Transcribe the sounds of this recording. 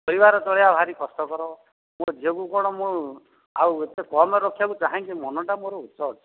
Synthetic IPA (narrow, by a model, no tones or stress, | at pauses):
pɔɾibaɾɔt͡ʃɔɭeabʱaɾikɔst̪ɔkɔɾɔ | mod͡ʒekukɔɽ̃ɔmũ | awet̪ekɔmeɾɔkʰjakut͡ʃaɦãŋkimɔnɔʈamoɾɔut̪sɔt͡ʃʰɔ̥